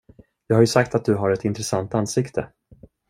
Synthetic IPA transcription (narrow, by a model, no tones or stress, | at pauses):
jɑːɡhaɾjɵsak̚t̪at̪̚d̪ɵɦaɾɛt̪ɪnt̪ɾɛsant̪ansɪkt̪ʰə